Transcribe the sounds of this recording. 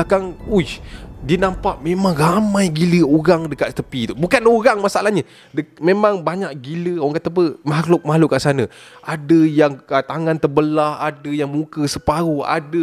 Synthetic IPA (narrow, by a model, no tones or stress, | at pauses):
akaŋudiənampaʔmemaŋramãjɡiləoɾaŋdəkat̪̚t̪əpit̪ubukanoɾaŋmasaalahɲə | dəmemãŋbaɲaʔɡiləoaŋkat̪əpəmahlʊk̚maluʔkaʔsanə̃ | ʔadəjaŋt̪aŋant̪əbəlahadəjaŋmukəsəpaɾua̰də